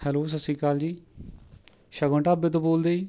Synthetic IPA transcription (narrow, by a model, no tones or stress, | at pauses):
hɛːloːs̬əsĩːkaːld͡ʒiː | ʃəɡõːɳʈaːbeːt̪̬õːboːld̪eːiː